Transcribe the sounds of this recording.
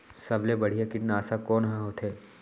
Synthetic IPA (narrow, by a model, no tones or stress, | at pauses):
sɐblebɐɽ̤ijakɪʈnaːsakɔːnɦãɦoːt̪eː